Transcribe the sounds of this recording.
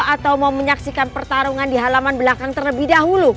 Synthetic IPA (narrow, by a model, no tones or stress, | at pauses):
at̪awmauməɲaksikanpərt̪aɾuŋandiɦalamanbəlakaŋt̪ərləbihdaɦulu